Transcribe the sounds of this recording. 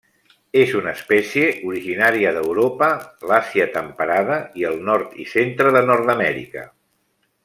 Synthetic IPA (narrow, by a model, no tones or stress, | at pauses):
ezunəːspɛsijeʔuɾiʒinaɾiəðəwɾopəlasiət̪əmpəɾaðəiəlˠnɔɾt̪ḭsent̪ɾəðənɔrd̪əmɛɾḭkə̰